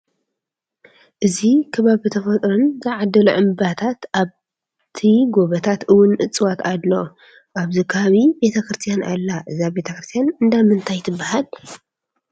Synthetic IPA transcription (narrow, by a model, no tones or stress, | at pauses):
ʔɨzikʰɐβaβɨt̪ʰɐfɐt̪ʼɾunzaʕad̪ɐlṵʕɨmbat̪ʰat̪ʔaβ | t̪ʰiɡo̞βɐt̪ʰat̪ʔɨwʊnʔɨt͡sʼwat̪ad̪lo | ʔaβzikʰaβaβibe̞t̪ʰɐkɾɨst̪ʰijana̰lːaʔɨzabe̞t̪ʰɐkɾɨst̪ʰjanɨnd̪amɨnt̪ʰajt̪ʰɨbːahal